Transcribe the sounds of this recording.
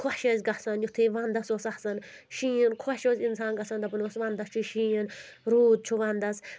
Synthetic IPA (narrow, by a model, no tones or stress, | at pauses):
kʰoʃɐzʲɡɐsɐnjut̪ʰiːʋɐnd̪ɐsoːsahsɐn | ʃĩːənkʰoʃoːzʲinsaːnɡɐsɐnd̪ɐpunosʋɐnd̪ɐst͡ʃʰiʃĩːən | ɾuːd̪̚t͡ʃʰuʋɐnd̪ɐs